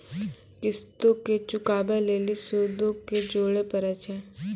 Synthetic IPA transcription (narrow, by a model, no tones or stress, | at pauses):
kɪst̪õket͡ʃʊkaːbɛleːlisod̪õked͡ʒoːɽepəɾat͡ʃʰɛ